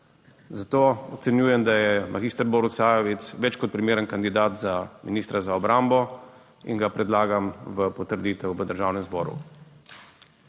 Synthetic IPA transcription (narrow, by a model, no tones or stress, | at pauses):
zat̪oːɔt̪sɛnjuːjɛmd̪ajɛmʔaɡiːst̪əɾbɔːɾusaːjɔʋit̪sʋɛt͡ʃkɔt̪̚pɾimeːɾənkand̪id̪aːt̪zaminiːst̪ɾazaɔbɾambɔ | ḭŋɡapɾɛd̪laːɡamʋəpɔt̪əɾd̪iːt̪ɛwʋəd̪əɾʒaːwnɛmzbɔ̰ːɾṵ